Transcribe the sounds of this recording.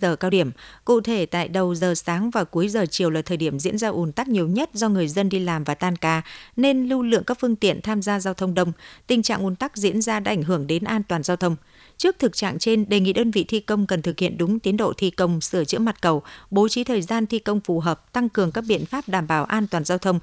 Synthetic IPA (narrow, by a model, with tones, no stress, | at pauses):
zəː˨˩kaː˧wɗi˧˩əmkṵ˧˨t̪ʰe˧˩t̪a̰ː˧˨jɗə˨˩wzəː˨˩saː˨˦ŋvaː˨˩ku˨˦əjzəː˨˩t͡ɕi˨˩əwlaː˨˩t̪ʰəː˨˩jɗi˧˩əmzḭ˧˥ənzaː˧ʔu˨˦nt̪a˦˥k̚ɲi˨˩əwɲə˦˥t̚zɔ˧ŋɨ˨˩əjzə˧nɗi˧laː˨˩mvaː˨˩t̪aː˧nkaː˧˩ne˧nlu˧lɨ̰˧˨ŋkaː˦˥k̚fɨ˧əŋt̪ḭ˧˨ənt̪ʰaː˧mzaː˧zaː˧wt̪ʰə˧wŋ͡mɗə˧wŋ͡mt̪ï˨˩ŋ̟t͡ɕa̰ː˧˨ŋʔu˨˦nt̪a˦˥k̚zḭ˧˥ənzaː˧ɗaː˧ʔa˧˩ŋ̟ɦɨ˧˩əŋɗe˨˦nʔaː˧nt̪waː˨˩nzaː˧wt̪ʰə˧wŋ͡m | t͡ɕɨ˦˥ək̚t̪ʰɨ˨˩k̚t͡ɕa̰ː˧˨ŋt͡ɕe˧nɗe˨˩ŋḭ˧˨ɗəː˧nvḭ˧˨t̪ʰi˧kə˧wŋ͡mkə˨˩nt̪ʰɨ˨˩k̚hḭ˧˨ənɗʊ˨˦ŋ͡mt̪i˨˦ənɗo̰˧˨t̪ʰi˧kə˧wŋ͡msɨ˧˩ət͡ɕɨ̰˧˥əma˨˩t̚kə˨˩wɓo˨˦t͡ɕi˨˦t̪ʰəː˨˩jzaː˧nt̪ʰi˧kə˧wŋ͡mfu˨˩ɦəː˨˩p̚t̪a˧ŋkɨ˨˩əŋkaː˦˥k̚ɓḭ˧˨ənfaː˦˥p̚ɗaː˧˩mɓaː˧˩wʔaː˧nt̪waː˨˩nzaː˧wt̪ʰə˧wŋ͡m